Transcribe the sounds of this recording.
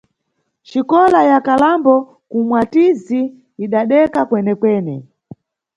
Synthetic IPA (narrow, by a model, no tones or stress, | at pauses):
t͡ʃikɔlajakalambɔ | kumwatiziː | ɗaɗɛkakwɛnɛkwɛːnɛ̰